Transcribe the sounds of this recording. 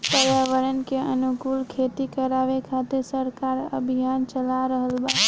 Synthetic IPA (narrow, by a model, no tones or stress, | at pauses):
pəɾjaʋəɾənkeənukulkʰet̪ikəɾaʋekʰat̪esəɾkaɾə̰bʱijant͡ʃəlaɾəɦəlba